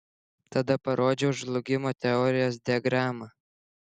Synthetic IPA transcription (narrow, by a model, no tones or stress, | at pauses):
t̪ɐd̪ɐpɐɾʔoːd͡ʒʲɛʊʒʒlˠʊɡʲɪmoːt̪ʲɛɔːɾʲɪjoːs̬d̪ʲɛɡɾɑːmɐ